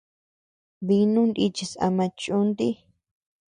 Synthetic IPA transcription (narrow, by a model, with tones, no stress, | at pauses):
βi˧nũ˦nd̪i˧t͡ʃi˧sa̰˧mã˧t͡ʃu˦nd̪i˦